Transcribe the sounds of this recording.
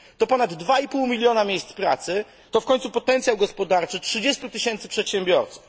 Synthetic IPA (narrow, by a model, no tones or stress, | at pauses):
t̪ɔpɔnad̪ːvaipuwmʲilʲjɔnamʲjejst̪spɾa̰t̪sɘ | t̪ɔfkɔɲ̃ʲt̪supɔt̪ɛnt̪sʲjawɡɔspɔd̪aɾt͡ʂɘtʂɘd͡ʑɛst̪ut̪ɘɕɛnt̪sɘ̥pʂɛt̪ɕɛmbʲjɔɾt̪su̥f